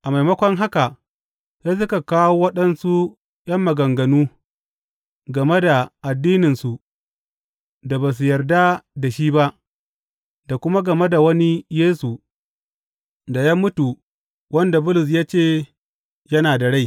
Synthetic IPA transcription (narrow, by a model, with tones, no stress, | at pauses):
ʔa˨ma˨jmɐ˦kʷɔ˦ŋɦa˦ka˨ | ja˦s̬ʊ˦ka˨kaː˦woː˦wɐ˦ɗɐ˦nsu˦ | jɐ˦mːɐ˨ɡɐ˨ŋɡɐ˨nuː˦ | ɡɐ˨me˦da˨ʔa˨dːiː˦nɪ˨nsu˨ | da˨baː˨s̬u˨jɐ˨rda˦da˨ʃiː˦ba˦ʔ | da˨kʷʊ˦ma˦ɡɐ˨me˦da˨wɐ˦ni˦jeː˦su˨ | da˨jaː˦mʊ˦tu˨ | wɐ˦nda˨bʊ˦lʊ˨s̬jaː˦t͡ʃeː˦˨ | jɐ˦naː˨da˨ɽa˦j